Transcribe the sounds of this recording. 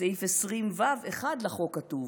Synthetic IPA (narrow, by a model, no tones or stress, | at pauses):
eifesʁimvaveχadlaχokːatuv